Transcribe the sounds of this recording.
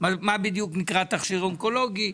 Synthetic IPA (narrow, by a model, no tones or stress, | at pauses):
mamabid̪juknikʁat̪aχʃiʁoŋko̞lo̞ɡi